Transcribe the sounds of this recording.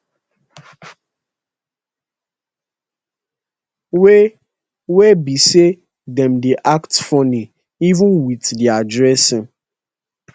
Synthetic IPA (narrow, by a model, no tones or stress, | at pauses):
we | webise | dɛ̃mdiʔaktfɔni | ivũnwitdiadɹɛsɪ̃